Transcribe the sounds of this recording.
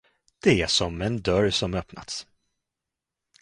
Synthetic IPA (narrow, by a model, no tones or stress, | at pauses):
d̪̥ɛæʂɔmɛnd̪œɾsɔmœpna̰t̪s